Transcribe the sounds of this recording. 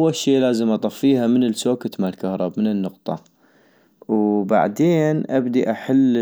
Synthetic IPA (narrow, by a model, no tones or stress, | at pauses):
wːalʃiːlaːzəmʔɑt̪ˤɑfːiːhamɪnɪlsoːkat̪malkahɾˤɑbmɪnɪnːʊqt̪ˤɑ̰ | wba̰ʕd̪eːnʔabd̪iʔaħalː